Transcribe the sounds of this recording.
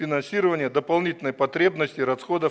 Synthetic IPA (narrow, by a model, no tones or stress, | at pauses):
fʲɪnɐnsʲiɾəvənʲɪjəd̪əpɐlˠnʲitʲɪlʲnəjpɐt̪ɾʲe̞bnəsʲtʲɪɾɐsxod̪ə